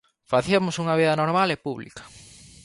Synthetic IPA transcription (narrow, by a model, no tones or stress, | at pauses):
faθiɐmʊsuŋɐβiðɐnoɾmalepuβlḭkɐ̥